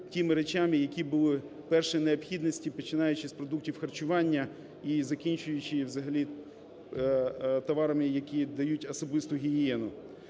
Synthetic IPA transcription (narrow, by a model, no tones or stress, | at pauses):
tʲimɪɾet͡ʃamɪjɐkʲibʊlˠɪ | pɛrʃɪneɔpxʲid̪nɔsʲtʲipɔt͡ʃɪnɑjʊt͡ʃɪspɾɔd̪uk̚tʲiwxɐrt͡ʃʊʋɑnʲːɐ | izɐkʲinʲt͡ʃʊjʊt͡ʃɪʋzɐɦɐlʲi | t̪ɔʋɑɾɐmɪjɐkʲid̪ɐjutʲɔsɔbɪst̪ʊɦʲijɛnʊ